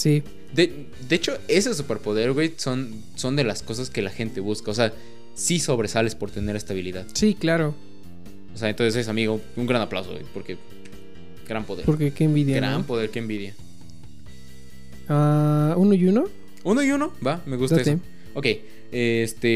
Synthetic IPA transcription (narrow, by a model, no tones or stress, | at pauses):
si | d̪e | d̪eet͡ʃo̞e̞s̬e̞s̬upe̞ɾpo̞ðe̞ɾɣwejso̞n | so̞nd̪e̞lasko̞s̬aske̞laxe̞nt̪e̞βuskaos̬e̞a | siso̞βɾesale̞spo̞ɾt̪eneɾest̪aβ̞iliðaðsiklaɾo | oseaent̪o̞nses̬es̬amiɣo | uŋɡɾanapla̰wsoɣwḛjpo̞ɾke̞ | ɡ̥ɾampo̞ðepoɾkekeːmbiðjaɡɾa̰mpoðe̞ɾkeːmbiðja | aunoiuno | unoiuno̞bame̞ɣustd̪aee | okej | est̪e